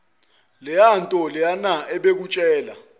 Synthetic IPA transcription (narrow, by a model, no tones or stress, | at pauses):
lɛantʼɔlɛjanaɛɓek̬ut͡ʃʼɛːla̰